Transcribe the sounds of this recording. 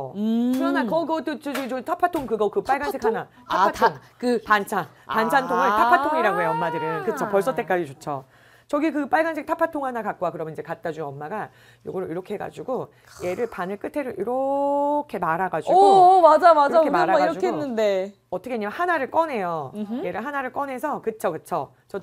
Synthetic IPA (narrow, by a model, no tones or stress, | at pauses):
kɯɾʌnakʌɡʌt͈ot͡ɕod͡ʑoɡt͡ɕotʰapʰatʰoŋkɯɡʌkɯp͈aɭɡansʰekʰhana | tʰapʰatʰoŋkɯpant͡ɕʰan | ant͡ɕʰantʰoŋɯɭtʰapʰatʰoŋiɾaɡoɦeʌmːadɯɾɯnkɯt͡ɕʰopʌɭs͈ʌt͈e̞k͈ad͡ʑit͡ɕot͡ɕʰo | t͡ɕʌɡikɯp͈aɭɡansʰek̚tʰapʰatʰoŋhanakak͈̚oakɯɾʌmʌniɲd͡ʑekat̚t͈ad͡ʑueʌmːaɡa | jo̰ɡʌɾoiɾʌkʰeɦeɡa̰d͡ʑuɡo | je̞ɾɯɭpanɯɭk͈ɯtʰe̞ɾoʔiɾʌkʰe̞maɾaɡad͡ʑmad͡ʑamaakemaɾaaaiɾd͡ʑukeennːɯnde | ʌtʰʌkʰeɲimahanaɾɯɭk͈ʌne̞joje̞ɾɯɭɦanaɾɯɭk͈ʌne̞sʰʌkɯt͡ɕʰokɯt͡ɕʰo | t͡ɕʌ